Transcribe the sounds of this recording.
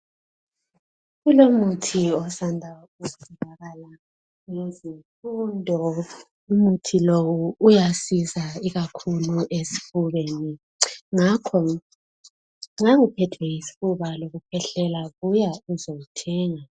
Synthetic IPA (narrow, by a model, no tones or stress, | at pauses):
ɣulomutʰiɔsandʱa | uɛndʱaɣala | ŋezifundʱɔ | umutʰilowuːjasizaiɣakʰuluʔesi̥fuβeni | ŋakʰɔ | aŋipʰɛtʰwɛisi̥fuβaloɣupʰɛɬɛlaɣujauzoɣutʰɛːŋa